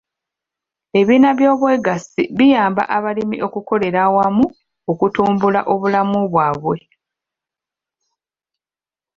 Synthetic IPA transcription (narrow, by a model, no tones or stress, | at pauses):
e̞βiːnaβjo̞ːβwe̞ːɡasiβijaːmba̰ʔaβalimḭʔo̞kuko̞le̞ɾawamu | okutuːmbula̰ʔo̞βulamuβwaːβwe̞